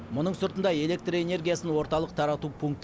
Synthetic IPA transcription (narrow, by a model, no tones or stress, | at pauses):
mʊnəɴsʊɾt̪ənd̪ɑe̞le̞k̚t̪roe̞ne̞rɡʲijasənwo̞ɾt̪ɑlˠəqt̪ʰɑɾɑt̪upʰuŋk̚t̪